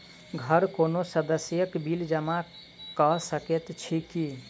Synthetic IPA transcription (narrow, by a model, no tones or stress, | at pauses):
ɡʱəɾkonosəd̪əsjəkbild͡ʒəma | kɔɦsəket̪t͡ʃʰiki